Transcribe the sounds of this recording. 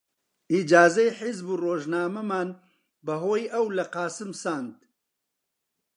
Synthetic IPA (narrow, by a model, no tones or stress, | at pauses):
id͡ʒaːzɐjħizburoːʒnaːmɐmaːn | bɐɦoːjɐwlɐqɑːsɨmsaːnd̪